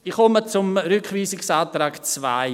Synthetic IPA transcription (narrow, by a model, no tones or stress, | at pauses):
iχɔmət͡sʊmɾʏkχviːsɪksaːt̪ɾaːɡt͡sva̰ɪ